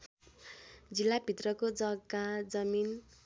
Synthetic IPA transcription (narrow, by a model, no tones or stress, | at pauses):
d͡zilːabʱit̪rʌkod͡zʌɡad͡zʌmin